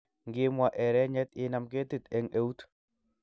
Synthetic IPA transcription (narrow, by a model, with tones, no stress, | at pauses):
ŋɡɪ˦mwa˨ʔɛ˨ɾɛ˦ɲɛ˦t̪ɪ˦na˨mke˦t̪i˦˨t̪e˨ŋe˦u˦t̪